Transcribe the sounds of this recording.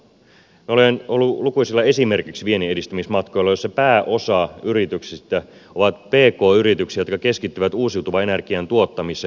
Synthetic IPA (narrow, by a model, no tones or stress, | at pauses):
miolenolːulukujsilːɑe̞sime̞rkiksʋieniedist̪ymismɑt̪ko̞jlːɑjo̞sːɑpæːʔo̞sɑyɾit̪yksist̪æo̞ʋɑt̪pe̞ːkoːyɾit̪yksijot̪̚kɑke̞skit̪ːyʋæt̪uːsiut̪uʋɑe̞nærkiænt̪uot̪ːɑmise